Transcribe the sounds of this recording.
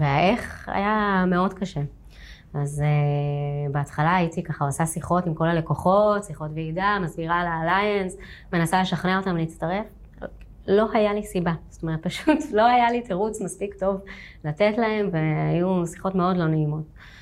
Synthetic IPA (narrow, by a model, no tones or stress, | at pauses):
veaʔeχa̰jame̞o̞dkaʃe̞ | aze | beatχalaːjitikaχauasasiχo̞timko̞lale̞koχo̞tsiχo̞tveidamazbiʁaːlaːlajans | me̞nasale̞ʃaχneaotamleit͡staʁe̞f | lo̞ɦajalisibaz̥oto̞me̞ʁet̪̚paʃutlo̞ajalitʰeʁut͡smaspikto̞vlatetlae̞mveajusi̥χo̞tme̞o̞dlo̞neimo̞t